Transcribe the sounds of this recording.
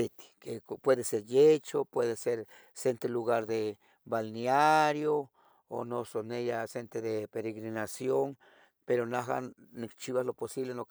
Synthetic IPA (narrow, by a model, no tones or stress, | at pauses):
et̪i̥kepweðeseɾjet͡ʃopweðeseɾ | sent̪eluɣaɾd̪e | balneaɾjo | o̰nosonejasent̪eðepeɾeɣɾinasjoŋ | peɾonaɦa̰ | nikt͡ʃiβasloposiβlenok